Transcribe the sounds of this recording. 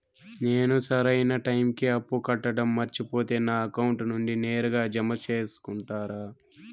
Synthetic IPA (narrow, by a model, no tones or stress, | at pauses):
ne̞ːnusɐɾɐjnɐʈɐjmkiɐpːukɐʈːɐɽɐmːɐɾt͡ʃipo̞ːt̪e̞ːnaːɐkɐwuɳʈnuɳɖine̞ːɾuɡaːd͡ʒɐmɐt͡ʃe̞ːsu̥kuɳʈaːɾaː